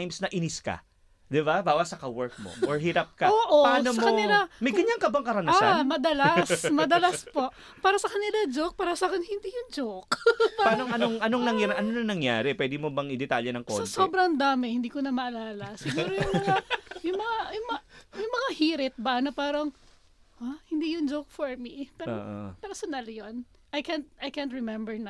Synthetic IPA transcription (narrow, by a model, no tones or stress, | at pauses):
jmsnɐʔɪnɪska̰ | d̪ɪbabaːwɐsɐkɐwɛɹk̚mo̰ʔoɹɦiːɾɐp̚kɐoːʔopaːnosmɐokɐɪlamɐjɡɐɲːaŋkɐbaŋkɐɾɐnamɐd̪ɐlasmɐd̪ɐlɐspo̞ʔ | paːɾɐsɐkɐnɪlad͡ʒok̚paːɾɐsaːkɪŋhɪnd̪iːjʊŋd͡ʒokaanoɐnoŋʔɐnoŋnɐŋjaɾʔɐnonɐŋnɐŋja̰ːɾɛpwɛd̪ɪmobɐŋɪd̪ɛt̪aljɛnɐŋkosɐsoːbɾɐŋd̪aːmɪhɪnd̪iːkonɐmɐʔɐlaːlɐsɪɡuːɾojʊŋmɐŋajʊŋmɐŋajʊŋmɐjʊŋmɐŋahiːɾɪt̪̚bɐnɐpaːɾɐŋ | ʔahɪnd̪iːjʊŋd͡ʒowk̚foɹmipɛo̰ʔo̰pɛɾsonaljon | ʔɐjkɛnt̪̚ɐjkɛnt̪ɹɛmɛmbɛɹn